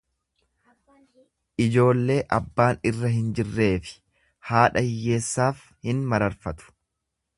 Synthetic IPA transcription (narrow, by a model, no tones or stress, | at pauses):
ʔɪd͡ʒo̞ːlːe̞ːʔɐbːaːnɪrːɐɦɪnd͡ʒɪrːe̞ːfɪ̥ | haːᶑɐɪjːe̞ːsːaːf | hɪnmɐɾɐɾfɐt̪ʊ̥